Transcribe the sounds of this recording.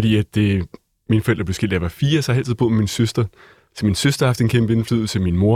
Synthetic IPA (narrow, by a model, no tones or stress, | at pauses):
ɾ̥ḭːæd̥e | minəfɒ̽el̰d̥ɐble̝ʊsɡ̥el̰d̥jɑʋɑ̈fiːɐsɒhhæl̰t͡sʰiðˠb̥o̝ðˠmeminsøsd̥ɐ | t͡sʰeminsøsd̥ɐhɑfd̥enkʰembəe̝nfly̰ð̰ˠl̩ˠt͡sʰeminmo̝ɐ